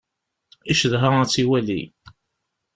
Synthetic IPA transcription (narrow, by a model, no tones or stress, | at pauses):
iʃəðɦaæt͡sːiwælḭ